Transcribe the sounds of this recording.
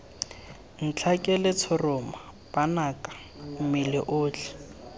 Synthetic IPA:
n̩t͡ɬʰakʼɛlɪt͡sʰɔrɔma | b̥anakʼḁ | m̩mɪlɪ̰ʔʊːt͡ɬɪ

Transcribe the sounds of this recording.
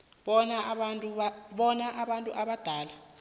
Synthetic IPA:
ɓɔnanʼuɓɔnaʔaɓantʼṵʔaɓad̥ʱaːla

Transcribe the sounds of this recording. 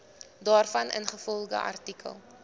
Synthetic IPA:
dɑːrfɐnʔə̰nχəfɔlˠdə̰ʔɐ̰rtikʰə̰lˠ

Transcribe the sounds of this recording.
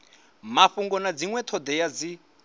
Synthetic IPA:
maɸuŋɡɔnad͡ziŋwɛt̪ʰɔd̪ɛjad͡zi

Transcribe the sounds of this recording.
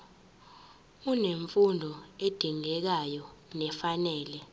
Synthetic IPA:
uneɱfundʱɔed̥ʱiŋɛk̬ajɔnɛfanɛːlɛ

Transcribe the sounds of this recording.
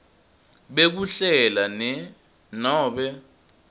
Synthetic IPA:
ɓek̬uɬɛlanɛ | nɔːɓɛ

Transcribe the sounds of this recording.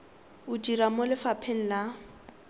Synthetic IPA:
ʊdiɾamolɪfapʰen̩la

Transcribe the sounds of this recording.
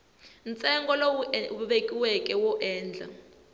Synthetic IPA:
nt͡sʼɛŋɡɔloɓekʼiwɛkʼɛwɔʔɛːnd͡ɮʱa̰

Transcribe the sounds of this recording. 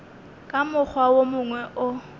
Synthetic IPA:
kʼamʊk͡xʰwawomʊŋwɛʔʊ

